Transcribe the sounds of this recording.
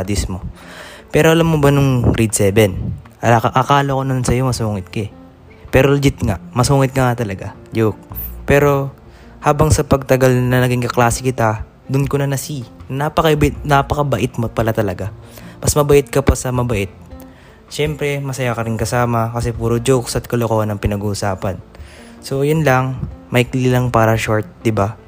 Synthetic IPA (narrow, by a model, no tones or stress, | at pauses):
d̪ɪsmo̞ | pɛːɾoɐlamːobɐnʊŋɾid̪̚sɛːbɛn | ɐʔɐkaːlokonɐlansɐjo̞mɐsuːŋɪt̪̚kɐ | pɛːɾold͡ʒɪt̪ŋa̰ʔmɐsuːŋɪt̪̚kɐŋɐt̪ɐlɐɡa | d͡ʒuk̚pɛːɾo̞ | haːbɐŋsɐpɐɡ̚t̪ɐɡalnɐnɐɡɪŋkɐklaːsɪkɪt̪a | d̪ʊnkonɐnɐsinɐnapɐkɐʔbɪt̪napɐkɐbɐʔɪt̪mopɐlat̪ɐlɐɡamɐsmɐbɐʔɪt̪̚kɐpɐsɐmɐbɐʔɪt̪̚ | ʃɛmpɾɛmɐsɐjakɐɾɪnkɐsaːmɐkɐsɛpuːɾod͡ʒoksʔɐt̪̚kɐlokohɐnɐŋpɪnɐɡuʔʊsaːpɐn | so̞jʊnlɐŋmɐhɪkliːlɐŋpaːɾɐʃoɹt̪̚d̪ɪba